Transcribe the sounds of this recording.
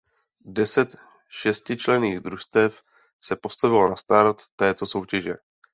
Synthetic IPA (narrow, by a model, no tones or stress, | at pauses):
dɛsɛt̪ | ʃɛscɪt͡ʃlɛniːɣd̪ɾuʃst̪ɛf | sɛpo̞st̪avɪlonast̪aːɾat̪ːɛːt̪o̞so̞wcɛʒɛ̰